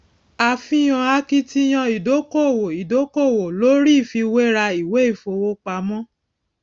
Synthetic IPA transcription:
a˨fĩ˦j̃ɔ̃˧a˧ki˦ti˦j̃ã˧i˨do˨˦ko˦˨wo˨i˨do˨˦ko˦˨wo˨lo˦ɾi˦˨fi˧we˦ɾa˧i˨we˨˦i˦˨fo˧wo˦k͡pa˧mɔ̃˦

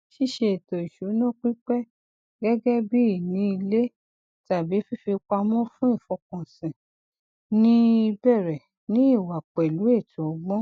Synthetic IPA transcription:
ʃi˦˨ʃe˧e˨to˨i˨ʃu˨˦nã˦k͡pi˦k͡pɛ˦ | ɡɛ˦ɡɛ˦bi˦i˦˨nĩ˨˦i˧le˦ | ta˨bi˨˦fi˦fi˧k͡pa˧mɔ̃˦fũ˦i˦˨fɔ˨˧kɔ̃˨sĩ˨ | nĩ˦i˧bɛ˦˨ɾɛ˨ | nĩ˦i˦˨wa˨k͡pɛ˨lu˨˦e˦˨tu˨ɔ˨˧ɡ͡bɔ̃˦

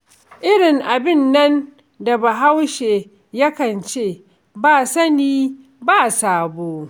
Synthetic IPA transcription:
ʔɪ˦ɽɪ˨ŋʔa˨bɪ˦˨nːɐ˦n | da˨ba˨ɦa˦wʃeː˨ | jɐ˦kɐ˨nt͡ʃeː˦˨ | baː˦˨sɐ˦niː˦ | baː˦saː˨boː˦

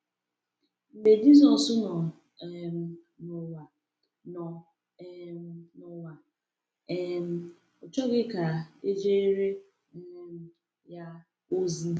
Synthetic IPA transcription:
m̩˨be˨d͡ʒi˦zɔ˨sʊ˦nɔ˨ | nʊ˨wa˨ | nɔ˨˦ | nʊ˨wa˨ | ɛ˦m̩˦ | ɔ˨t͡ʃɔ˦ɡɪ˦ka˨e˦d͡ʒe˦e˦ɾe˦ | m̩˦ | ja˦ | o˦zi˦

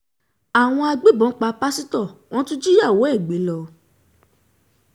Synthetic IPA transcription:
a˨w̃ɔ̃˧a˧ɡ͡be˨˦bɔ̃˨˦k͡pa˧pa˦si˦tɔ˦˨w̃ɔ̃˦tũ˦d͡ʒi˦ja˦˨wo˨˦ɛ˦˨ɡ͡be˨˦lɔ˧

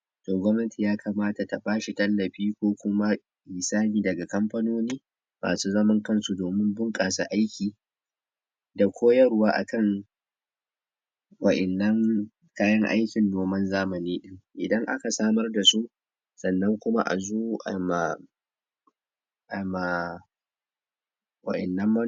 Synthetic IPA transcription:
toː˨ɡʷɐ˦mnɐ˦ti˨jaː˦kʰaː˨maː˦ta˨ta˨baː˦ʃi˨tɐ˦lːɐ˨ɸiː˦kʷoː˦kʷʊ˦ma˦ | ʔiː˨saː˦niː˨dɐ˨ɡa˨kɐ˦mɸɐ˦noː˦niː˦ | ma̰ː˨suː˦zɐ˦mɐ˦ŋkɐ˦nsu˨doː˨mɪ˦mbʊ˦ŋkʼaː˨sa̰˦ʔa˦jkʲiː˨ | da˨kʷʰoː˦jɐ˦ɾwaː˦ʔa̰˨kɐ˦˨ŋ | wɐ˨ʔɐ˨nːɐ˦ŋ | kaː˦jɐ˦ŋʔa̰˦jkʲɪ˨ndoː˨mɐ˦nzaː˦mɐ˨niː˦ɗɪ˦ŋʔɪ˨dɐ˦ŋʔa̰˦ka˨saː˦mɐ˦rda˨su˦ʔ | sɐ˨nːɐ˦ŋkʷʊ˦ma̰˦ʔa̰˨zuː˦ʔa̰˨ma˨ | ʔa˨ma˨ | wɐ̰˨ʔɐ̰˨nːɐ˦mːɐ˦

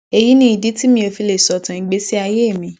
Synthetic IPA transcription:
e˧ji˨˦nĩ˦i˨di˨˦ti˦mĩ˧e˧fi˧le˨sɔ˨tã˨i˨˦ɡ͡be˦si˦a˧je˦e˦˨mĩ˧

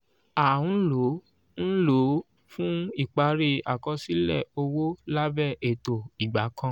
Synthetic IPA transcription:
a˨ũ˨˦lo˨˦ | n̩˦lo˨˦ | fũ˦i˦˨k͡pa˧ɾi˧a̰˨kɔ˧˦si˦lɛ̰˦˨o˧wo˦la˦bɛ˦˨e˨to˨i˨ɡ͡ba˨˦kã˧˦

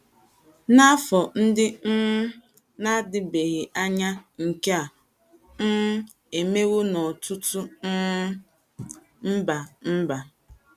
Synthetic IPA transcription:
na˦fɔ˨n̩˦dɪ˦ | na˦dɪ˨be˨ɣɪ˨ʔa˦ɲa˦ŋ̩˨ke˦a˨ | n̩˦ | e˨me˦wo˦nɔ˨tʊ˦tʊ˦ | m̩˦ba˨m̩˦ba˨

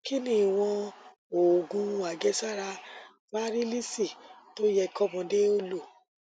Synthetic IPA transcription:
ki˦nĩ˦˨i˨w̃ɔ̃˧ | o˨ɡũ˧a˨ɡɛ˨˧˦sa˦˨ɾa˧ | ma˦ɾi˦li˦si˦˨to˦jɛ˧˨kɔ˦mɔ̃˧de˦o˦lo˦˨

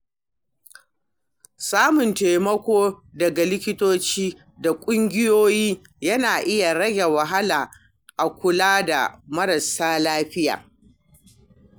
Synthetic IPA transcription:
saː˦mʊ˨nteː˨mɐ˦kʷoː˦dɐ˨ɡa˨lɪ˦kʲɪ˦toː˦t͡ʃiː˦ | da˨kʷʼʊ˦ŋɡʲɪ˦joː˦jiː˦ | jɐ˦naː˨ʔɪ˦ja˨ɾɐ˦ɡʲe˨wɐ˨ɦa˦laː˨ | ʔa˨kʷʊ˨laː˦da̰˨mɐ˦ɾɐ˨saː˦laː˦ɸɪ˦ja̰ː˨

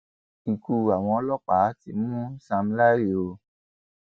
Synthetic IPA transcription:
i˨ku˧a˨w̃ɔ̃˧ɔ˧˦lɔ˦k͡pa˨˦tḭ˧˦mũ˦sa˧m̩˦la˦ɾi˦˨o˧

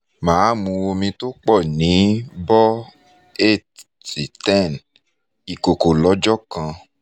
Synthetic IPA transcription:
mãː˨˦mũ˧o˧mĩ˧to˦k͡pɔ˦˨nĩ˨˦bɔ˦ | e˦˨t | ti˨tɛ̃˦˨n | i˨ko˨ko˨lɔ˨˦d͡ʒɔ˦kã˧

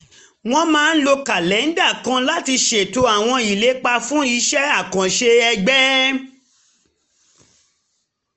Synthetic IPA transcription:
w̃ɔ̃˦mãː˦n̩˦lo˧ka˨lɛ˨˦n̩˦da˦˨kã˨˧la˦ti˧ʃe˨to˧a˨w̃ɔ̃˧i˨le˨˦k͡pa˧fũ˦i˧ʃɛ˦a˦˨kã˨ʃe˧ɛ˧ɡ͡bɛ˦

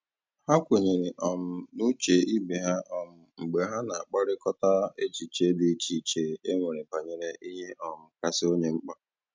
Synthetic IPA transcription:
ha˦kʷe˨ɲe˨ɾe˨ʔɔ˨m̩˨nu˦t͡ʃe˨i˦be˨ɦa˦ʔɔ˨m̩˨ŋ͡m̩˨ɡ͡be˨ɦa˦na˨a˨k͡pa˦ɾɪ˦kɔ˦ta˦e˦t͡ʃi˨t͡ʃe˨˦dɪ˨˦t͡ʃi˨t͡ʃe˨e˦ŋʷe˨ɾe˨pa˨ɲe˨ɾe˦ʔi˦ɦe˦ʔɔ˨m̩˨ka˨sɪ˦o˦ɲe˦ŋ͡m̩˦k͡pa˦

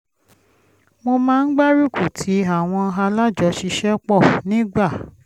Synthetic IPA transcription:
mo˧mãː˦n̩˦ɡ͡ba˦ɾu˦ku˦˨tʰi˨˦a˦˨w̃ɔ̃˧ɦa˧la˦d͡ʒɔ˨˧˦ʃi˧ʃɛ˦k͡pɔ˦˨nĩ˨˦ɡ͡ba˦˨

